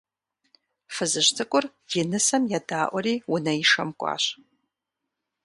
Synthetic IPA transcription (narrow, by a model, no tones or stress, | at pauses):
fɨzɨɕtʰɨkʷʼʊr | jɪnɨsɐmjaːdaːʔʷɔɾiːwʊnɐjɪʂɐ̰mkʷʼɑ̰ːɕ